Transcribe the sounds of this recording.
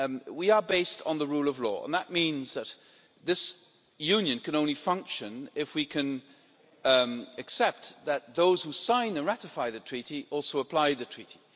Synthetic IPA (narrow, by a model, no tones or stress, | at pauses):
wiə˞beɪstn̩ðəɹulˠʌvlɔ̰ə̰̃nðət̚mĩnzðɨt̪̚ | ðɪs | jʉ̃njɨ̃nkʰɨ̃nõʊ̃nlifʌ̃ŋkʃɨ̃nɪfwikʰɨ̃n | ɨksɛp̚t̪̚ðɨt̪̚ðoʊz̥husãɪ̃nɨ̃nɹæɾɨfaɪðɨtʰɹ̥iɾiʔɔlˠsoʊəpʰl̥aɪðɨtʰɹ̥iɾi̥